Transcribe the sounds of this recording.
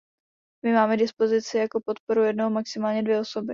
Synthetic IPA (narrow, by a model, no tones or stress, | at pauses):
mɪmaːmɛdɪspo̞zɪt͡sɪjako̞pot̪po̞ɾujɛdnoɦomaksɪmaːlɲɛdvjɛoso̞bɪ